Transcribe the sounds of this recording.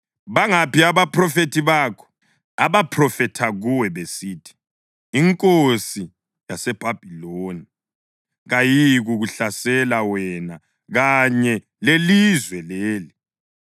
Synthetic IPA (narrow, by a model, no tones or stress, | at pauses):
βaŋapiaβaprɔfetʰiβaːkʰɔ̥ | aβapʰrɔfɛtʰaɣuwɛβesiːtʰi̥ː | ŋkʼosi | jasɛb̥ʱab̥ʱiloni | ɣajiɣuɣuɬasɛlawɛna | ɣaɲɛ | lelizwɛleːli